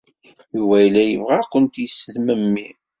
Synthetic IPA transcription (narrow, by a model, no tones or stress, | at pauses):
iwæjlæjəvʁækːənt̪jəsəðməmːi